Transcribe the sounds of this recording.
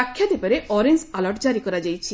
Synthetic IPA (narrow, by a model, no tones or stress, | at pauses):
akʰːjad̪epaɾeʔɔɾensalɔɾʈd͡ʒaɾikɔɾad͡ʒajt͡ʃʰi